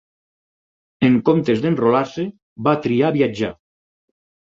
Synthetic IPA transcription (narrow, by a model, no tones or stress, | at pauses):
eŋkomt̪ezd̪enrolaɾse | βat̪ɾiaβiad͡ʒa̰